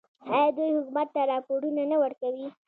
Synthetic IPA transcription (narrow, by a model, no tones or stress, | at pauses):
ɑjɑd̪ujhʊkumat̪ːaɾɑpoɽunanawəɾkawi